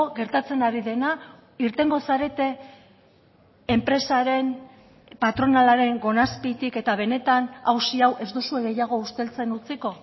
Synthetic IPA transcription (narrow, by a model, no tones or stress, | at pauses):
ɣe̞ɾt̪at͡se̞naɾiðe̞na | iɾt̪e̞ŋɡo̞saɾe̞t̪e̞ | mpɾe̞saɾe̞n | pat̪ɾo̞nalaɾe̞ŋɡo̞naspit̪ike̞t̪aβ̞e̞ne̞t̪anawsiawʔe̞zd̪usueɣe̞jaɣ̞o̞ust̪e̞lt͡se̞nut͡siko̞